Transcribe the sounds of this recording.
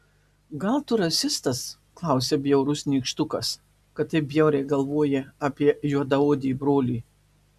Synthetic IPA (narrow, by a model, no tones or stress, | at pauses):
ɡɐlˠt̪ʊɾɐsʲɪst̪ɐs | klˠɐˑʊsʲebʲjɛʊɾʊsnʲiːkʃt̪ʊkɐs | kɐt̪t̪ːɐɪbʲjɛʊɾʲɛɪɡɐlˠʋoɔjɛɑːpʲiɛjuɔd̪ɐoːd̪ʲɪbɾoːlʲiː